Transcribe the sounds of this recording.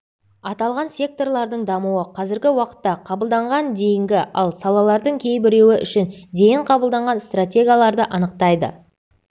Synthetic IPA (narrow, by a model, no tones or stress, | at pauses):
ɑt̪ɑlˠʁɑnsʲe̞k̚t̪o̞rlˠɑɾd̪əɴd̪ɑmuwəqʰɑzɪɾɡʲɪwɑqə̥t̪ːɑqʰɑbəlˠd̪ɑɴʁɑnd̪e̞jɪŋɡʲɪʔɑlˠsɑlˠɑlˠɑɾd̪əɴkʲʰe̞jbɪɾe̞wɪʔʏ̰ʃɪnd̪e̞jɪɴqʰɑbəlˠd̪ɑɴʁɑnst̪rat̪ʲe̞ɡʲijalˠɑɾd̪əʔɑnəq̚t̪ɑjd̪ə̰